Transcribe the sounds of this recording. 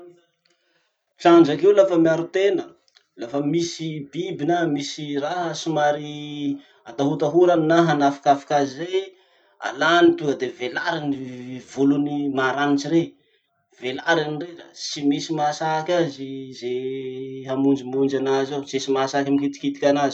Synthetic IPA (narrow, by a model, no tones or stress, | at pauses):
ʈ͡ʂaɳd͡ʒakewlafəmiaɾut̪enə | lafəmisibibinamisiraɦasimaɾi | at̪aɦut̪aɦuɾannaɦanafi̥kafi̥kʲazize | a̰lanit̪uŋɡəd̪evelaɾinivulunimaɾanit͡ʃiɾe | velaɾanireɾa̰simisimasakʲazize | ɦamund͡ʒimund͡ʒanazawsesimasakʲimikit̪i̥kit̪i̥kʲanazi̥